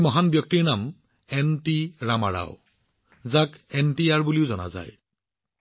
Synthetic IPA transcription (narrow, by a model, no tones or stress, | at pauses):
mɔɦanbjɔk̚tiɹnam | ɛntiɹama̰ɹa̰ʊ | zakɛntiaɹbuliʊzɔna̰za̰j